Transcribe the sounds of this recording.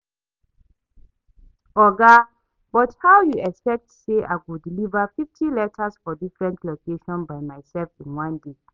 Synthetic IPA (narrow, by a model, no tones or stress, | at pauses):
ɔɡa | b̥ɔthawjuɛkspɛk̚tseʔawudilivəfiftʰilɛtʰəsfɔdifɹɛ̃ntʰlokʰeʃɔ̃nbajmajsɛlfĩnwãnde